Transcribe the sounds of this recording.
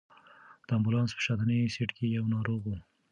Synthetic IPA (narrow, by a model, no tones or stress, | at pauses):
d̪̥əambʊlɑnspə̥ʃat̪nisiʈkejawnɑɾoɣu